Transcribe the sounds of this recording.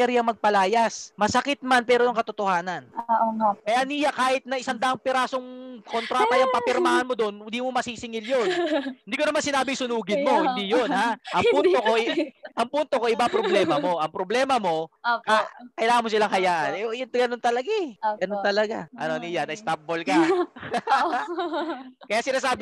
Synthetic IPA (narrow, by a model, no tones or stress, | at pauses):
ɛɾojɐŋmɐɡ̚pɐlaːjɐsmɐsɐkɪt̪̚manpɛːɾojɐŋkɐt̪ot̪ohaːnɐn | kɐjaniːjakaːhɪt̪̚nɐʔɪsand̪aʔɐŋpɪɾaːsoŋkont̪ɾaːt̪ajɐŋpɐpɪɾmaːhɐnmod̪onɪd̪iːmomɐsisɪŋɪljonhɪnd̪iːko̞nɐmansɪnaːbɪŋsʊnuːɡɪnmo̞hɪnd̪ijonhaʔɐŋpunt̪oko̞ʔɐŋpunt̪o̞ko̞ʔɪbaŋpɾoblɛːmɐmo̞ʔɐŋpɾoblɛːmɐmo̞kakɐɪlaːŋɐnmosɪlaŋhɐjaːʔɐnɛojʊnɡɐnont̪ɐlɐɡaɡɐnont̪ɐlɐɡa̰ʔɐ̰noniːjanɐɪst̪ap̚bolkɐ | kɐjasɪnaːs̬aːb